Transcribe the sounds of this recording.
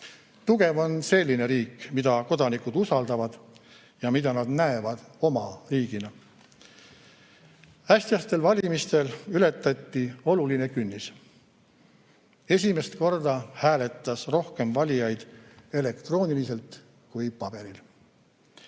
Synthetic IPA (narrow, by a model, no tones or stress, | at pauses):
t̪uɡ̥e̞vo̞nse̞lʲːine̞ɾiːkmid̪̥ɑko̞d̪̥ɑnikˑud̪̥usɑld̪ɑvɑd̪̥ | jɑmid̪ɑnɑd̪næevɑd̪̥o̞mɑriːɡinɑ | æsʲt̪ijɑst̪e̞lvɑlʲimist̪e̞lyle̞t̪ːˑɑt̪ːio̞luline̞kynːis | e̞sʲime̞st̪ko̞rd̪ɑhæːle̞t̪ːˑɑsro̞hke̞mvɑlʲijɑjd̪̥e̞le̞kt̪ro̞ːnilise̞lt̪ | kujpɑb̥e̞ɾil